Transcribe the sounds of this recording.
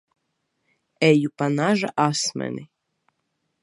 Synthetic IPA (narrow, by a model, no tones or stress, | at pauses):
ɛjupanaʒaʔasmɛ̰ni